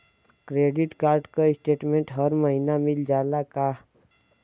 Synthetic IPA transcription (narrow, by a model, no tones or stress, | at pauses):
kɾeːɖɪʈkaːɾɖkoɪsʈeːʈmẽɳʈɦəɾməɦinamɪld͡ʒaːlaka